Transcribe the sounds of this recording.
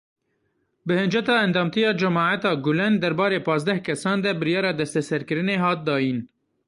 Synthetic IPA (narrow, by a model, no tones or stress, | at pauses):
bɨhɨnd͡ʒɛt̪ɑːɛnd̪ɑːmt̪ijɑːd͡ʒɛmɑːʕat̪ɑːɡʊlɛnd̪ɛɾbɑːɾeːpɑːzd̪ɛhkɛsɑːnd̪ɛbɨɾjɑːɾɑːd̪ɛst̪ɛsɛɾkɨɾɨneːɦɑːt̪̚d̪ɑːjiːn